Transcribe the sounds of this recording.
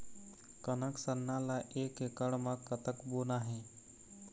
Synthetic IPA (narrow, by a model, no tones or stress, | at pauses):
kənəksənːãlaʔeːkekəɽmãkət̪əkboːnaɦẽː